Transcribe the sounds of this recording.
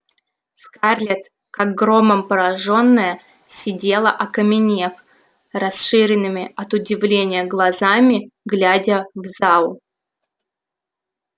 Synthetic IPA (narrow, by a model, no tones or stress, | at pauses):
skarlʲɪt̪ | kaɡ̚ɡɾo̞məmpəɾɐʐo̞nːəjə | sʲɪdʲe̞lˠə̰ʔɐkəmʲɪnʲe̞f | rɐsʂɨɾʲɪnːɨmʲɪɐt̪ʊdʲɪvlʲenʲɪjəɡlˠɐzamʲɪɡlʲædʲəvzalˠ